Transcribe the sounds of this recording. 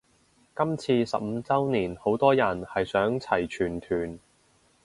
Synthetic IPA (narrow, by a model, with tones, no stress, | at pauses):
kɐ˥mt͡sʰiː˧sɐ̰˨p̚m̩˧t͡sɐ˥wniː˨˩nho˨˥wt̪ɔː˥jɐ˨˩nhɐ˨jsœː˨˥ŋt͡sʰɐ˨˩jt͡ʃʰyː˨˩nt̪ʰyː˨˩n